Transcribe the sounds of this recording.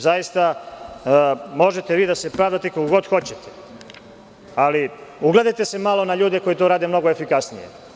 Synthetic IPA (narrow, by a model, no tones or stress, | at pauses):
zajist̪a | mo̞ʒet̪eʋiːd̪ase̞pɾaːʋd̪at̪ekokoɡo̞d̪xo̞t͡ɕe̞t̪ʰe | aliuɡle̞d̪ajt̪e̞se̞malo̞naʎuːd̪eko̞jit̪oɾaːd̪emno̞ɡoefikasnijḛ